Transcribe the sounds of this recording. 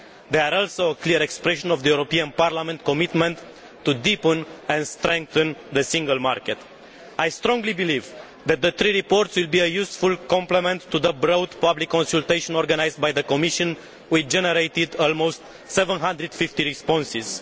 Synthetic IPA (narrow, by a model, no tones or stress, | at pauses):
d̪eaɾɔlsowəkliəɾekspɾeʃə̃novd̪əjuɾopiãnpaɾlamɛ̃nt̪̚komit̪mə̃nt̪ː | ud̪ipə̃nɛ̃nd̪st̪ɾɛ̃ŋk̚θə̃nd̪əsĩŋɡəlmaɾket̪ | ajst̪ɾɔ̃ŋɡlibiliv | d̪æt̪̚d̪əθɾiɾipoɾt̪swilbiəjusfulkɔ̃mplemẽnt̪ʰːuðəbɾowd̪pablikːõnsult̪ejʃɔ̃nɔɾɡanajzd̪̚bajðəkomiʃə̃n | wid͡ʒeneɾejt̪id̪ɔlmowst̪ | sevə̃nɦãnd̪ɾɨd̪̥fift̪iɾispɔ̃nsiz̥